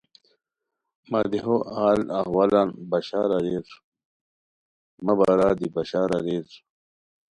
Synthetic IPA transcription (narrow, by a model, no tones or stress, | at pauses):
mɐd̪eɦoʔaːlahwalanbɐɕaːɾɐɾes | mɐbaɾaːd̪ibɐɕaːɾɐɾeːs